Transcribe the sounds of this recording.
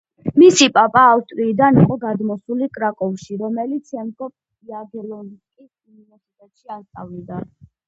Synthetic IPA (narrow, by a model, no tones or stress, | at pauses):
misipʼapʼaːfst̪ʼɾiːd̪aniqʼɔɡad̪mɔsulikʼɾakʼɔvʃiɾɔmɛlit̪sʰɛmɡɔp | iaɡlɔnkʼi | univɛɾsit̪ʼɛt̪ʼʃiast̪ʼavid̪a